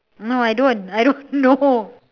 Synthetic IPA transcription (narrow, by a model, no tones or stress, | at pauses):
noajdõnajɾõnːo